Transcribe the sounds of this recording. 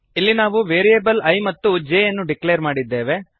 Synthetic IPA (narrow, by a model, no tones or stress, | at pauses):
ilːinaːʋuʋeːɾijebɐlɐjmɐt̪ːud͡ʒeːjɐnːuɖiklejɐɾmaːɽid̪ːe̞ːʋe